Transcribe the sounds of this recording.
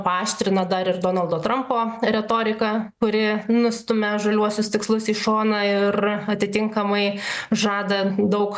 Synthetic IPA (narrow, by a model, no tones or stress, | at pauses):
pɑːʃʲt̪ʲɾʲɪnɐd̪ɐɾɪrd̪oːnɐlˠd̪oːt̪ɾɐmpoːɾʲɛt̪oːɾʲɪkɐkʊɾʲɪnʊsʲt̪ʊmʲɛʒɐlʲuɔsʲʊst̪ʲɪkslˠʊsiːʃoːnɐɪrɐt̪ʲɪt̪ʲɪŋkɐmɐɪʒɑːd̪ɐd̪ɐʊk